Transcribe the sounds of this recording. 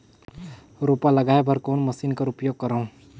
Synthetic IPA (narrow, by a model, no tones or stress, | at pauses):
ɾopaləɡaːebʱəɾkoːnməsinkaɾʊpjoːɡ̚kəɾəũ